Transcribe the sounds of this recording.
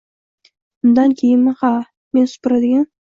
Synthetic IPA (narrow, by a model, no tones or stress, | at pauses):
bʊnd̪ankʲʰejɪnmɪhɑ | me̞nsʊ̥pʊɾad̪ɪɡʲan